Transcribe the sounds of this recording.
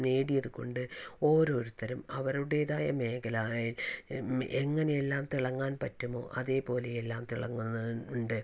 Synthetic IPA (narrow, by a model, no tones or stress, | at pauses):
ne̞ːɽijɐðuko̞̰ɳɖɨo̞ːɾo̞ːɾut̪ːɐɾɐmɐʋɐɾuɽe̞ːðaːjɐme̞ːkɐlaːɭil | ʔeŋːɐne̞jelːaːmt̪iɭɐŋːaːnpɐtːumo̞̰ːʔɐðe̞ːpo̞ːle̞jelːaːmt̪iɭɐŋːunːɐɳɖɨ